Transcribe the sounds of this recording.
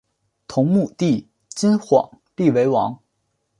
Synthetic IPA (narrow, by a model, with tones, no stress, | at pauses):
t̪ʰʊ˧˥ŋmu˥˧t̪i˥˩ | t͡ɕi˥nxwɑ̰˨˩˦ŋ | li˥˩we˧˥ɪwɑ˧˥ŋ